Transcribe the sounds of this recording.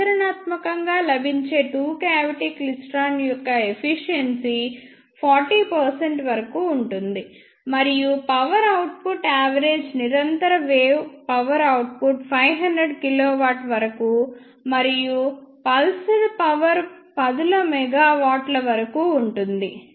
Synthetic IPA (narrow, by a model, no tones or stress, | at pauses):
ɐɾɐnaːt̪mɐkɐŋɡaːlɐbʱiɲt͡ʃe̞ːʈuːkaːʋiʈiːklisʈaːnjɔkːɐepʰiʂijɐnsi | pʰaːɾʈiːpɐɾseɳʈʋɐɾɐkuːɳʈund̪i | mɐɾijupɐʋɐɾɐwʈ̚puʈaːʋɐɾeːd͡ʒniɾɐnt̪ɐɾɐʋeːwpɐʋɐɾɐwʈ̚puʈpʰɐjʋɦɐndɾeɖkiloːʋaːʈʋɐɾɐkuː | mɐɾijupɐlsɐlpɐʋɐɾpɐd̪ulɐmɛɡaːʋaːʈlɐʋɐɾɐkuːɳʈund̪i